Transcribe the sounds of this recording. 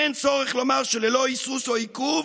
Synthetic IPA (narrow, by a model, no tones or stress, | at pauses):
ent͡soʁɛχlomaʁʃeleloisusoikuv